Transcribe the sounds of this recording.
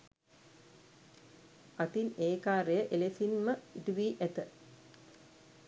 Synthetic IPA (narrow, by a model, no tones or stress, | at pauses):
at̪ineːkaːɾejəʔelesinməiʈuʋiːʔæt̪ə